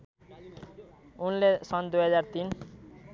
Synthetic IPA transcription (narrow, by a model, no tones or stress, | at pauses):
unlesʌnd̪ujɦʌd͡zart̪in